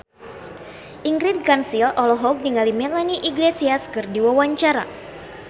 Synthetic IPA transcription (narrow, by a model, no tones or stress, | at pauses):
ʔiŋɡɾid̚kansilɔlɔɦɔk̚niŋalimɛlaniʔiɡlesiaskɨrdiwawaɲt͡ʃaɾa̰